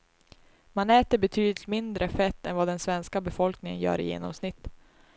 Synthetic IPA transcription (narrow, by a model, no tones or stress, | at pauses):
manɛːt̪əɾbɛt̪ʰyːd̪lɪt̪mɪnd̪ɾʔəfɛt̪ːɛnvad̪ɛnsvɛnskabɛfɔlknɪŋə̰njœ̰ːɾɪ̰jḛːnɔ̰msnɪt̪ː